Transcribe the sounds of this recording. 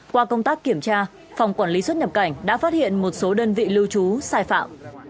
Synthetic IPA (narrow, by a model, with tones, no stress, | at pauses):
kwaː˧kə˧wŋ͡mt̪aː˦˥kːi˧˩əmt͡ɕaː˧ | fa˨˩wŋ͡mkwaː˧˩nli˨˦swə˦˥t̚ɲə˨˩p̚ka˧˩jŋ̟ɗa̰ː˧˥faː˦˥t̚hḭ˧˨ənmo˨˩t̚so˨˦ɗəː˧nvḭ˧˨lɨ˧wt͡ɕu˨˦saː˧jfa̰ː˧˨m